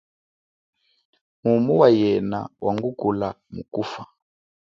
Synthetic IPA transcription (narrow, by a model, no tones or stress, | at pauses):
mumuwajɛna̰wʔaŋɡukula | mukufa